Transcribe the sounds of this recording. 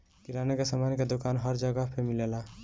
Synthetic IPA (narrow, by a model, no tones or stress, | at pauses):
kiɾanekesamanked̪okanɦəɾd͡ʒəɡəpʰemilela